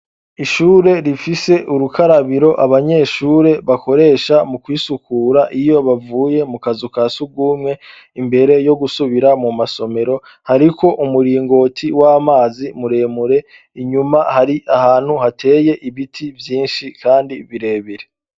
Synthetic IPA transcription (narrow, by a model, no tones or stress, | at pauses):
iʃuːɾe̞ɾifise̞ʔuɾukaɾaβiɾo̞ʔaβaɲe̞ʃuːɾe̞βako̞ɾe̞ːʃamukwiːsukuːɾaʔijo̞βavuːje̞mukazukasuɡuːmŋe̞ | imbe̞ɾe̞jo̞ɡusuβiɾamumaso̞me̞ɾo̞ | haɾikʰo̞ʔumuɾiːŋɡo̞ːtʰiwaːmaːzimuɾe̞ːmuɾe̞ | iɲumahaɾiʔahaːn̥huhatʰe̞ːje̞ʔiβitʰivjiːnʃikʰaːndiβiɾe̞ːβiɾe